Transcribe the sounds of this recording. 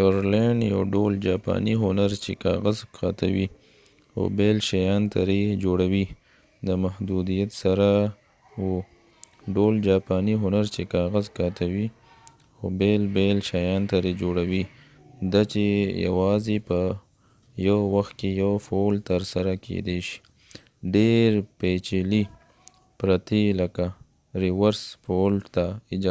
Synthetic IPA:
oɾleɳɖjawɖold͡ʒɑpɑ̰niɦʊnaɾt͡ʃekɑ̰ɣazkʰat̪awi | xo̰belʃajɑnt̪aɾed͡ʒoɽawi | d̪əmahd̪ud̪ijat̪saɾa | wu | ɖold͡ʒɑpɑniɦʊnaɾt͡ʃekɑɣazkat̪awi | xo̰belbelʃajɑnt̪aɾed͡ʒoɽawi | d̪at͡ʃeja̰wɑzepə | jawwaxt̪̚kejawfolt̪əɾsaɾakʰḛd̪eʃi̥ | ɖeɾpet͡ʃeli | pɾat̪elaka | ɾiwaɾspolt̪aɪd͡ʒ

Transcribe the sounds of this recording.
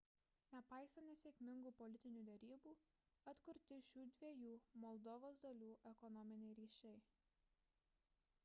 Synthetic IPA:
nʲɛpɑˑɪsʲɐnt̪ʲɪsʲɛkʲmʲɪŋɡuːpɔlʲɪt̪ʲɪnʲuːd̪ʲɛɾʲiːbuː | ɐt̪kʊɾʲt̪ʲɪʃʲuːd̪ʲʋʲiɛjuːmɔlˠd̪ɔʋoːsd̪ɐlʲuːʔɛkɔnɔmʲɪnʲɛɪɾʲiːʃʲɛɪ

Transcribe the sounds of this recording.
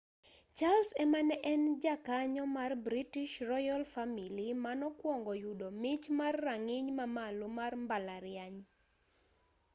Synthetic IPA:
t͡ʃalsɛmanɛʔɛnd͡ʒakaɲɔmarbɾitiʃrɔjalfamilimanɔkwɔŋɡɔjudɔmɪt͡ʃmarːaŋɪɲmamalomarmbalaɾɪjaɲ

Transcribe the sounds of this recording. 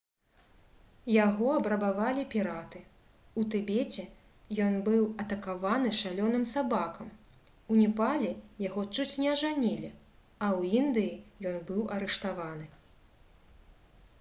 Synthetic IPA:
jaɣɔɐbɾɐbavalʲipʲiɾat̪ɨ | ut̪ɨbʲet͡sʲɛ | jɔnbɨwɐt̪ɐkavanɨʂalʲɔnɨmsabakɐm | unʲɛpalʲɛjaɣɔt͡ʂut͡sʲnʲɛɐʐanʲilʲi | ɐwind̪ɨjijɔnbɨwɐɾɛʂt̪avanɨ

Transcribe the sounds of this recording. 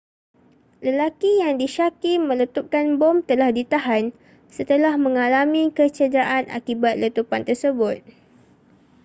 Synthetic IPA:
ləlakijaŋdiʃakimə̃lət̪up̚kanbɔmt̪əlahdit̪aɦan | sət̪əlahmə̃ŋalamĩkət͡ʃədɾaʔanʔa̰kibat̪̚lət̪upant̪ərsəbʊt̪̚

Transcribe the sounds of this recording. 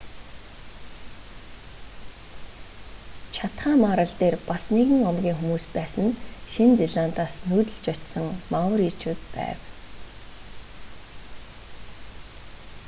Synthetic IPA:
t͡ɕʰat̪χaːmaːɾə̆ɮt̪eːrpasneɣɘ̆ŋɔmɡʲiːŋxumuːspæːsə̆nʃint͡seɮan̥t̪aːsnuːt̪ɵ̆ɬt͡ɕɔt͡ɕsɞ̆ŋmawə̆riːt͡ɕuːt̪̚pæ̰ːw

